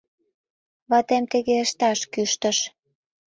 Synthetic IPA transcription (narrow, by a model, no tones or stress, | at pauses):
βɑt̪emt̪ĕɣeəʃt̪ɑʃkyʃt̪ə̆ʃ